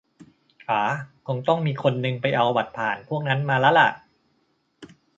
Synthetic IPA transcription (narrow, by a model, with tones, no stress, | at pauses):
ʔaː˩˦kʰo˧ŋt̪ɔ˥˩ŋmiː˧kʰo˧nːɯ˧ŋpa˧jʔa˧wba˨˩t̪̚pʰaː˨˩npʰu˥˩ək̚na˦˥nmaː˧laː˦˥la̰˨˩ʔ